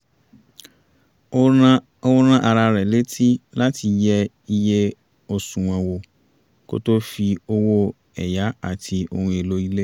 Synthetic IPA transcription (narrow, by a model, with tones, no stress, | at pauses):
o˦o˦ɾã˦ʔa˨ɾa˧ɾɛ˨le˦tʰi˦la˦ti˧jɛ˧ | i˦je˦ | o˨sũ˨wɛ̃˨wo˧ | ko̰˦to˦fi˧o˦wo˦ | ɛ˨ja˦a̰˨tʰi˧o̰˧nũ˧˨e˨lo˦i˦le˦